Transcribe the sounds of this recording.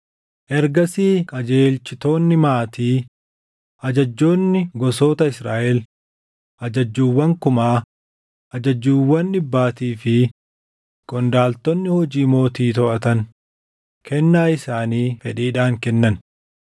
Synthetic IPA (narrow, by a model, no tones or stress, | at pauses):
ʔɛɾɡɐsiːkʼɐd͡ʒeːlt͡ʃɪt̪o̞ːnːɪmaːt̪iː | ʔɐd͡ʒɐd͡ʒːo̞ːnːɪɡɔso̞ːt̪ɐɪsɾaːʔɛl | ʔɐd͡ʒɐd͡ʒːuːwːɐŋkʊmaː | ʔɐd͡ʒɐd͡ʒːuːwːɐnːɪbːaːt̪iːfɪ | ɡ̥ʼɔnd̪aːlt̪ɔnːɪhɔd͡ʒiːmo̞ːt̪iːt̪ɔʔɐt̪ɐn | kʰɛnːaːɪsaːniːfɛᶑiːᶑaːŋkɛnːɐn